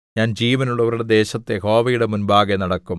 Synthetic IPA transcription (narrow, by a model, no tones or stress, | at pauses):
ɲaːnd͡ʑiːʋɐnuɭːɐʋɐɾuɽe̞d̪e̞ːɕɐt̪ːe̞ho̞ːʋɐjuɽe̞munbaːɡenɐɽɐkːum